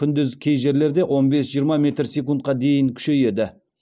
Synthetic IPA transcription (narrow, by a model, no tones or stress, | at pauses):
kʲʰʏnd̪ɪzkʲʰe̞jʒe̞ɾle̞ɾd̪e̞wʔo̞nbe̞sʒijəɾmɑmʲe̞t̪ɾsʲekunt̪̚qɑd̪e̞jɪŋkʲʰʏ̥ʃe̞je̞d̪ɪ